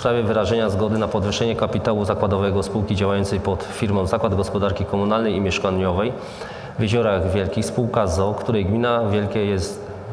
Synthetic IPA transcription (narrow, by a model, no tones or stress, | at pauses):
spɾavʲɛvɘɾaʐɛɲazɡɔd̪ɘnapɔd̪vɘʂɛɲɛkapʲit̪awuzakwad̪ɔvɛɡɔspuwkʲid͡ʑawajɔnt̪sɛjpɔt̪fʲiɾmɔ̃w̃zakwad̪ɡɔspɔd̪aɾkʲikɔmunalnɛjimʲjɛʂkaɲɔvɛj | vʲjɛʑɔɾaɣvʲjɛlkʲixspuwkazɔkt̪uɾɛjɡmʲinavʲjɛlkʲɛjɛst̪